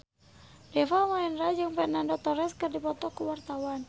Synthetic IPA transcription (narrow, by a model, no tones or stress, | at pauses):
dɛfamaɛnrad͡ʒɨŋpɛnandɔt̪ɔɾɛskɨrdipɔt̪ɔkəwart̪awan